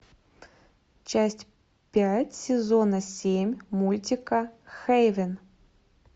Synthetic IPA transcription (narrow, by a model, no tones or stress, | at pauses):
t͡ɕæsʲtʲ | pʲætʲsʲɪzonɐsʲemʲmulʲtʲɪkəxejvʲɪn